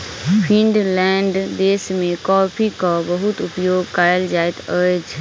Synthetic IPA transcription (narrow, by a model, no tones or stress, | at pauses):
pʰĩɳɖlɛːɳɖd̪eːsmẽkɔːpʰikabəɦʊt̪ʊpjoːɡkaːjəld͡ʒaːɪt̪ʰəd͡ʒ